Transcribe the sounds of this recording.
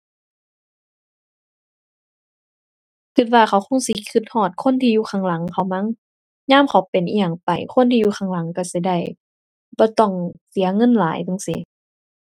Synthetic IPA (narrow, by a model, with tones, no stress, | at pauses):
kʰɯ˧t̪̚waː˧xa˧˦wxʰo˧˥˨ŋsi˧˦kʰɯ˧˩t̪̚hɔː˧˩t̪̚kʰo˧˥˨nt̪ʰiː˧juː˧kʰaː˧˩ŋla˨˦ŋkʰa˧˩˦wma˧˥˨ŋ | ɲaː˧˥˨mkʰa˨˦wpe˨nʔi˧jaː˨˧˩ŋpa˨˩jkʰo˧˥˨nt̪ʰiː˧juː˧xʰaː˧˩ŋla˨˦ŋka˧˩si˧˦da˧˩j | bɔː˧˦t̪ɔ˧˩ŋsi˨˦ɐŋɤ˧˥˨nlaː˨˦jt̪ɯ˧˩˨ŋsi˧˦